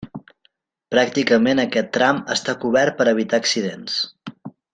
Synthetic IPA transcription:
pɾak̚t̪ikəmenəkɛt̪ːɾaməst̪akuβɛrt̪̚pəɾəβ̞it̪aəksiðens

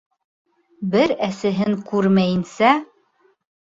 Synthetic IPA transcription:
bɘɾæsɘ̆ɦɘŋkʉɾmæjɘ̆nsæ

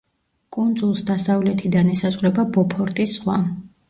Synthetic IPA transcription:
kʼund̪zulˠsd̪asavlɛt̪ʰid̪anɛsazʁɾɛbabɔpʰɔɾt̪ʼisʁwa

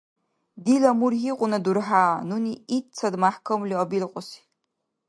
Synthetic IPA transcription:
dilɐmurɦiqʷʼʊnɐdurħaːnuniitt͡sʰɐdmaħkʰɐmliɔbilqʷʼʊsi̥

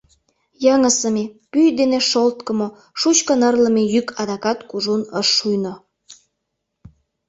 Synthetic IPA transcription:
jɑŋəsəmepyjd̪eneʃolt̪kə̆mo | ʃut͡ɕkənərlə̆mejykʰɑd̪ɑkɑt̪kuʒunəʃːujno

